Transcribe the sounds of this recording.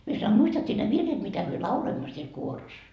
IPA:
mie sɑnoi ɑ muistɑt sie ne ʋirːet mitæ myø lɑuloimːo siel kuoros

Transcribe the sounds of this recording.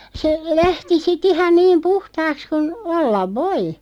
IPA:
se læhti sit ihɑn niːm puhtɑːks kun olːɑʋ ʋoi

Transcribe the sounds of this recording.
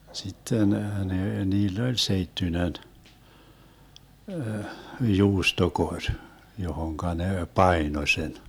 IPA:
sitːen neː niːlː olʲ seitːynen juːstokorʲ johoŋkɑ ne pɑino sen

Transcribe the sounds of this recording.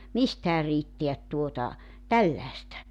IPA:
mistæː riːtːeæt tuotɑ tælːæĕstæ

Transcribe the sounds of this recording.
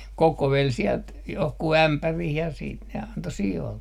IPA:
kokoʋel siɛlt johku æmpærih jɑ siːt ne ɑnto sioːlːe

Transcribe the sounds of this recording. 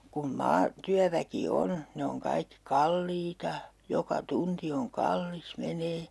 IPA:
kun mɑː tyæʋæki on ne oŋ kɑikːi kɑlːiːtɑ jokɑ tunti oŋ kɑlːis meneː

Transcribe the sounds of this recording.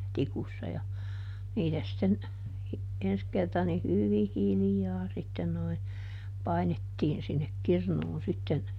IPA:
tikusːɑ jɑ niːtæ sitːen ens kertɑ ni hyʋih̆ hilĭjɑː sitːen noi pɑinetːiːn sinːek kirnuːn sitːen

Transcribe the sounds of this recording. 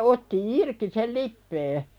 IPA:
otːi irki sel lipːeː

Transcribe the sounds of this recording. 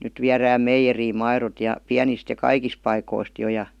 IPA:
nyt ʋiæræːm meijeriːm mɑirot jɑ piænist jɑ kɑikis pɑikoist jo jɑ

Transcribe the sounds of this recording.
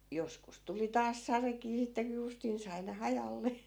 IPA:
joskus tuli tɑːs sɑrekiː sitːe ku justin sɑi ne hɑjɑlːe

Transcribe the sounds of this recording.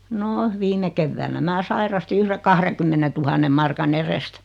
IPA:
no ʋiːme keʋːæːnæ mæː sɑirɑsti yhre kɑhrekymːenetuhɑnːem̆ mɑrkɑn erest

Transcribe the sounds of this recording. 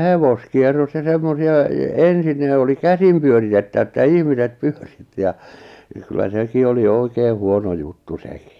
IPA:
heʋoskierːos jɑ semːosiɑ e ensin ne oli kæsim pyøritetːæ̆ʋæ̆ etːæ ihmiset pẙør̥i̥tːi̥ jɑ jɑ kylːæ seki oli oikeː huono jutːu se̥ki̥

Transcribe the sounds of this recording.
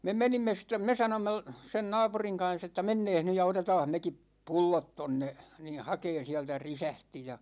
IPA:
me menimːe stem̆ me sɑnomːe l sen nɑːpuriŋ kɑn̞s etːæ menːeːh ny jɑ otetɑːh mekipˑ pulːot tonːe ni hɑkeːn̞ siæltæ risæhti jɑ

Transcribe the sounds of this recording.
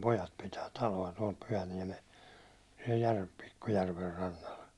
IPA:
pojɑt pitæː tɑloɑ tuɒl pyhæniɛmes siɛl jær pikːu jærʋer rɑnːɑl

